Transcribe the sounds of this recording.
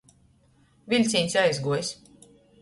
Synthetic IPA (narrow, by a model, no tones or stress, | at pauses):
vʲilʲt̪sʲiɲʲsʲajzɡuɔjs